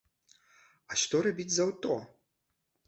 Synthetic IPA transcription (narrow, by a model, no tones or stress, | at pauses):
ɐʂt̪ɔɾabʲit͡sʲzawt̪ɔ